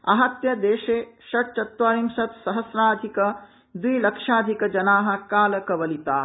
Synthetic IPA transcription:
ɐ̰ɦɐt̪jɐd̪eːʃeːʃɐʈ̚t͡ʃɐt̪ʋaːɾimʃɐt̪sɐɦɐsɾaːd̪ʱikɐ | d̪wiːlɐkʂaːd̪ʱikɐd͡ʒɐnaːɦɐ̆kaːlɐkɐʋɐlit̪aː

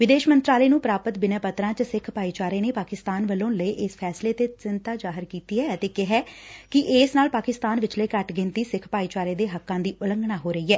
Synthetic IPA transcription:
ʋɪd̪eːʃmənt̪ɾaːleːnũːpɾaːpət̪bɪnaːpət̪ɾãːt͡ʃəsɪkʰpaːiːt͡ʃaːɾeːneːpaːkɪst̪aːnʋəlõːnləiːʔɪspʰɛːsleːt̪eːt͡ʃɪnt̪aːd͡ʒaːɦəɾkiːt̪iːɦɛːət̪eːkɪɦɛːkɪʔɪːsnaːlpaːkɪst̪aːnʋɪt͡ʃləiːkəʈɡɪ̃nt̪iːsɪkʰpaːiːt͡ʃaːɾeːd̪eːɦəkːãːd̪iːʔʊlə̃ŋɡnaːɦoːɾəiːɛː

